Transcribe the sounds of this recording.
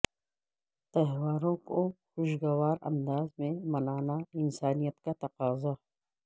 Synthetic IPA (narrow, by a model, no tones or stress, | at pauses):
t̪ɐɦʋaːɾõkoxʊʃɡɐwaːɾɐ̰̃nd̪aːzmẽmɐnaːnaɪnsaːnijət̪kat̪ɐqaːza